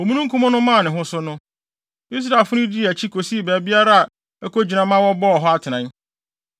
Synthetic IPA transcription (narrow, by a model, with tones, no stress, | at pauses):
o˨mũ˦nũ˦ŋ˦kũ˦mʊ̃˦nʊ̃˦mã˦˨nɪ̃˨ɦʊ̃˦sʊ˦nʊ̃˦ | i˦s̬ɾa˨fʊ˦nʊ̃˦di˦˨æ˨t͡ɕʰi˦kʰo˨si˦˨bæː˨bi˦a˦ɾa˦a˨ | ɛ˦ko˦d͡ʑi˨nã˨mã˦wɔ˦bɔː˦˨ɦɔ˦a˦˨tʰɪ˨nã˨n˦